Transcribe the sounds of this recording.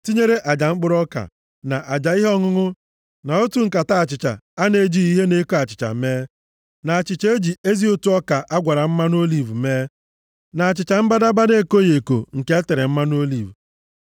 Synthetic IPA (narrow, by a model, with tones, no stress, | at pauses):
ti˦ɲe˦ɾe˦ʔa˨d͡ʒa˨ŋ͡m̩˦k͡pʊ˦ɾɔ˦ka̰˨ | na˨ʔa˨d͡ʒa˨˦i˦ɦɔ˦ŋʊ˦ŋʊ˦ | na˨o˦tu˦ŋ̩˨ka˨ta˦a˨t͡ʃɪ˨t͡ʃa̰˨a˦ne˨˦d͡ʒi˦i˦ɦe˦ne˦ko˦a˨t͡ʃɪ˨t͡ʃa̰˨meː˦ | na˨a˨t͡ʃɪ˨t͡ʃe˦e˦d͡ʒi˨e˦zi˦o˦tu˦ɔ˦ka˨ʔa˦ɡʷa˨ɾa˨m̩˦ma˦n˦o˦li˨vu˨me˦ | na˨a˨t͡ʃɪ˨t͡ʃa˨m̩˦ba˦da˦ba˦de˦ko˦je˨ko̰˨ŋ̩˨ke˦e˦te˨ɾɪ˨m̩˦ma˦n˦o˦li˨vu˨